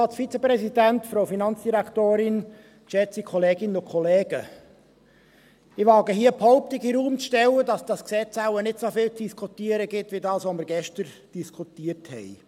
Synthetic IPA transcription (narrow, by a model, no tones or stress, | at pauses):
ɑt͡sfit͡sɛpɾɛsidæntfɾoʊfinɑnt͡sd̥iɾækt̪oːɾɪn | ʃɛt͡sikʰɔleːɡɪnənʊkʰχɔleːɡ̥ə | ɪʋɑːɡəɦiːəphɔʊp̚t̪ɪɡiɾuːmt͡sʃtɛlːədɑsd̥ɑsksɛt͡sæʊənɪtsofɪːlt͡sd̥iskʰutiəɾəɡɪtʋidɑːsʋoməɾɡɛʃtəɾ | d̥iskʰutiərthɛ̰ɪ